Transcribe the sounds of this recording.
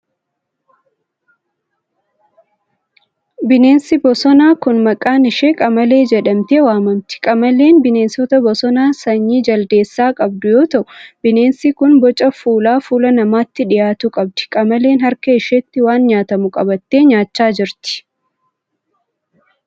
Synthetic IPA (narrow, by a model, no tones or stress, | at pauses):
bɪne̞ːnsɪbɔsɔnaːkʊnmɐkʼaːnɪʃeːkʼɐmɐle̞ːd͡ʒɛᶑɐmt̪eːwaːmɐmt̪ɪ̥kʼɐmɐle̞ːnbɪne̞ːnsɔt̪ɐbɔsɔnaːsɐɲːiːd͡ʒɐld̪e̞ːsːaːkʼɐb̚d̪ʊjo̞ːt̪ɐʔʊb̥ɪne̞ːnsikʊnbɔt͡ʃʼɐfuːlaːfuːlɐnɐmaːt̪ːɪᶑɪjaːt̪ukʼɐb̚d̪ɪ̥kʼɐmɐleːnhɐɾkɐɪʃet̪ːɪwaːnɲaːt̪ɐmʊkʼɐbɐt̪ːe̞ːɲaːt͡ʃːaːd͡ʒɪɾt̪ɪ̥